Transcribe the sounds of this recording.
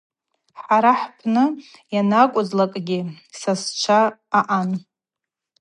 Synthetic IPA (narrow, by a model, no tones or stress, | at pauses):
ħaɾaħpʰnɨjanakʷʼʊzlakʼɡʲɪ | sast͡ʃʷʰaːʔan